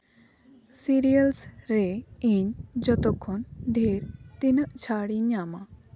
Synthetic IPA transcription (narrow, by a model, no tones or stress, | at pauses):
siɾijəlsɾɛiɲd͡ʒɔt̪ɔkʰːɔnɖʱeɾt̪inəʔt͡ʃʰaɽiɲama